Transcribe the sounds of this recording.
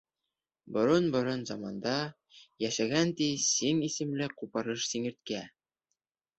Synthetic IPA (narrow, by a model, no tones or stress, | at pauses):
bŏɾɤnbŏɾɤnzɑmɑnd̪ɑ | jæʃæɡænt̪isiŋisɘ̆mlɘqupɑɾɤʃsiŋɘ̆ɾt̪̚kæ